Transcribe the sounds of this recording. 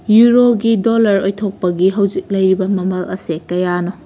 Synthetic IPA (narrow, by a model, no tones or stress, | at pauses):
juɾoɡidolɐɾojtʰok̚pɐɡiɦɐwd͡ʒik̚lɐjɾibɐmɐmɐlɐ̰sekɐjano